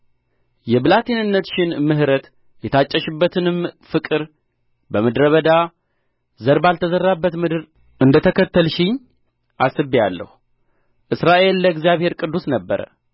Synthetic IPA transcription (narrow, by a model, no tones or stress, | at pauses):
jɛbɨlat̪ʰinɨnːət̪ʃɪnmɨɦɾət̪ | jɛt̪ʰat͡ʃʼːəʃɨbːət̪ʰɨnɨmfɨkʼɨɾ | bəmɨd̪ɾəβəd̪a | zəɾbalt̪ʰəzərːabːət̪mɨd̪ɨɾ | ʔɨnd̪ət̪ʰəkʰət̪ːəlʃɪɲ | ʔasɨbijalːə̰hu | ʔɨsɾaʔe̞lːəɡzjaβhe̞ɾkʼɨd̪ːusnəbːəɾə̰